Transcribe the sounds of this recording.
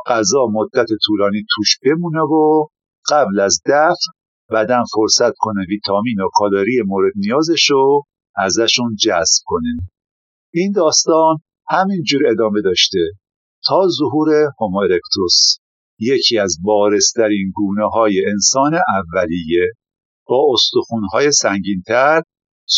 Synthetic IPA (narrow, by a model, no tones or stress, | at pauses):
ɢ̥æzɒːmod̪ːæt̪ʰe̞t̪ʰuːlɒːniːt̪ʰuːʃb̥e̞muːnevo | ɢ̥æblæzd̪æfɾ | bæd̪ænfo̞ɾsæt̪kʰo̞neviːt̪ʰɒːmiːnokʰɒːlɒːɾijemoːɾed̪̚nijɒːze̞ʃo | æzæʃund͡ʒæsb̥̚kʰo̞ne | ʔiːnd̪ɒːst̪ɒːn | hæmind͡ʒuːɾe̞d̪ɒːme̞d̪ɒːʃt̪e̞ | t̪ʰɒːzoɦuːɾe̞homoɾekt̪ʰos | jecʰiæzbɒːɾe̞st̪ʰæɾiːnɡuːneɦɒːjeensɒːneʔævːælije̞ | b̥ɒːost̪oxunɦɒːje̞sæŋɟiːnt̪ʰæɾ